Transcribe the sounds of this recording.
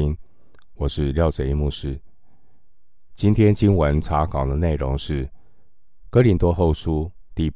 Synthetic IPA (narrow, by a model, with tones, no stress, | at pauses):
i˥n | wɔ˨˩ʂɻ̩˥˧ljɑ˥˩ʊʈ͡ʂə˨˩˦i˧mu˥˩ʂɻ̩˥ | t͡ɕi˥nt̪ʰjɛ˥nt͡ɕi˥nwə˧˥nʈ͡ʂʰa˧˥kɑ˨˩ʊd̪ə˦ne˥˩ɪɻo˧˥ŋʂɻ̩˥˩ | kɤ˥li˧˥nt̪wɔ˥xo˥˩ʊʂu˥ | t̪i˥˩